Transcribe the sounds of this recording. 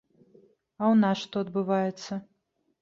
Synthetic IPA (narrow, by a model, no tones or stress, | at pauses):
ɐwnasʂt̪ɔɐd̪bɨvajɛt̪sːɐ